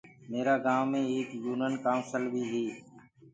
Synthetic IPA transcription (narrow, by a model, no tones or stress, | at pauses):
meːɾaːɡaːmːẽːeːkjuːnənkaːmsəlbʱiːɦeː